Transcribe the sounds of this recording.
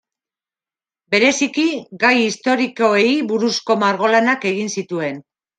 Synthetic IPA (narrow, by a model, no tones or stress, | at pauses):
be̞ɾe̞sikiɡajist̪o̞ɾiko̞ejβuɾusko̞maɾɣ̞o̞lanake̞ɣinsit̪ue̞n